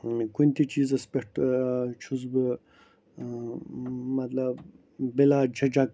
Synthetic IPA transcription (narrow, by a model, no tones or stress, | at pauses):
kunʲt̪it͡ʃiːzɐspʲeʈt͡ʃʰuzbɨ | mɐt̪lɐb | bilad͡ʒʰɐd͡ʒɐk